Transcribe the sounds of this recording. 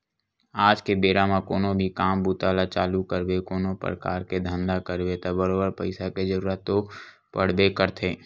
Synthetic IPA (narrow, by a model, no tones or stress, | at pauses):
aːd͡ʒkebeːɾamakoːnobʱikaːmbuːt̪aːlat͡ʃaːlukəɾbekoːnopə̰ɾəkaːɾked̪ʱə̃nd̪akəɾbet̪əbəɾoːbəɾpəɪsaked͡ʒəɾuːɾət̪ːo | pəɽ̤bekəɾt̪ʰeː